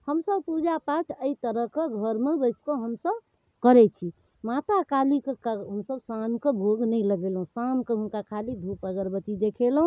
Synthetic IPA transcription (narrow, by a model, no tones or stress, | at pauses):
həmsəbpud͡ʒapaʈʰəit̪əɾəɦkeɡʱəɾmebəɪskoɦəmsəb | kəɾɛt͡ʃʰi | mat̪akalikekɦəmsəbsankebʱoɡnəjləɡelɦũsamkəɦũnkakʰalid̪ʱupəɡəɾbət̪id̪ekʰelɦũ